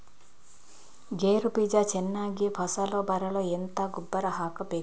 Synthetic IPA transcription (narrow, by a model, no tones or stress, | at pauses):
ɡeːɾupiːd͡ʒat͡ʃenːaːɡipʰɐsɐloːbɐɾɐloːent̪ɐɡubːɐɾɐɦaːkɐpeː